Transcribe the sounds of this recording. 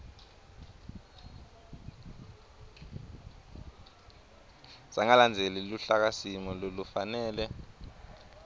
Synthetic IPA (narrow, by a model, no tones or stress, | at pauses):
saŋaland͡zʱeliluɬak̬asimɔlolufanɛːlɛ